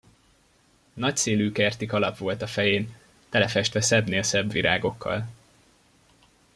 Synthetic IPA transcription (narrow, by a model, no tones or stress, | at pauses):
nɒcseːlyːkɛrt̪ikɒlɒpʋo̞lt̪ɒfɛjeːn | t̪ɛlɛfɛʃt̪ʋɛsɛbneːlsɛbʋḭɾʔa̰ːɡo̞kʰːɒ̰l